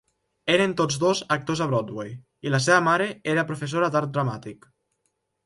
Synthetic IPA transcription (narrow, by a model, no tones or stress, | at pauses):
eɾent̪od͡zd̪ozak̚t̪ozaβɾɔd̪wej | ilas̬eβəmaɾeeɾapɾufes̬oɾad̪aɾt̪̚d̪ɾamat̪ik